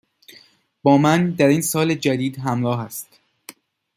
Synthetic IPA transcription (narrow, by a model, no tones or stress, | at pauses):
b̥ɒːmænd̪æɾiːnsɒːled͡ʒæd̪iːd̪ɦæmɾɒːɦæst̪